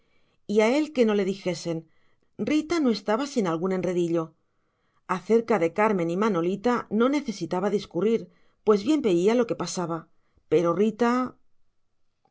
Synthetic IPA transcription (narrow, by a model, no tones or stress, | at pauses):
iae̞lke̞no̞le̞ðixe̞se̞n | rit̪ano̞e̞st̪aβasinalɣune̞nre̞ðiʎo̞ | aθe̞ɾkaðe̞kaɾmẽ̞nimano̞lit̪ano̞ne̞θe̞sit̪aβaðiskuriɾ | pwe̞zβje̞mbe̞ialo̞ke̞pasaβa | pe̞ɾo̞rit̪a